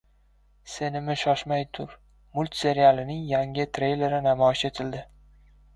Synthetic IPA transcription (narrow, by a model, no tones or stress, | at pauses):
se̞nɪmɪʃɒʃmajt̪ʰʊɾ | mʊlʲˠt̪se̞ɾijalˠɪnɪŋjaŋʲɪt̪ʰɾejle̞ɾɪnamɒɪʃe̞t̪ʰɪld̪ɪ